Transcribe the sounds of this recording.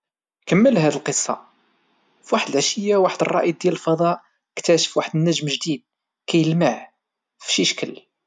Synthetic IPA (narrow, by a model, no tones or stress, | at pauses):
kəmːəlɦæd̪əlqəsˤːɑ̰ | fwaħəd̪əlʕʃəjːawaħəd̪ərˤːɑ̰ʔj̚d̪jæləlfɑd̪ˤɑʔ | kt̪æʃə̥fwaħəd̪ənːəʒmʒd̪id̪̚ | kæjəlmaʕ | fʃiʃkəl